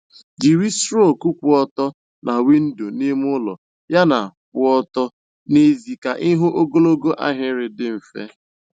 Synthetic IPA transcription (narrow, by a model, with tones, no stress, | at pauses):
d͡ʒi˨ɾi˦sɾo˦˨ku˦kʷʊ˨ɔ˦tɔ˦ | nʔa˨wi˦n̩˦do˨ne˦m˦ʊ˦lɔ̰˨ | ja˦na̰˨kʊ˦ɔ˦tɔ˦ | ne˦zi˨ka˨ʔɪ˦ɦʊ˦ʔo˦ɡo˦lo˦ɡo˦ʔa̰˦ɦɪ˦ɾɪ˨dɪ˦m̩˨fḛ˦